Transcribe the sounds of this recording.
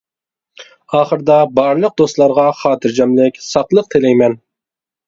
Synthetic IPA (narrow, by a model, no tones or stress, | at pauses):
ɑːχəɾd̪ɑbɑɾlˠəq̚d̪ost̪lˠɑɾʁɑχɑːt̪ʰɨɾd͡ʒɑmlɪkʲsɑqlˠəq̚t̪ʰɪlɛjmɛn